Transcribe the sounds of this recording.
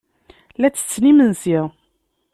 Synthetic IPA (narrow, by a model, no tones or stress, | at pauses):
læt͡sːə̥t͡sːnimənsiʁ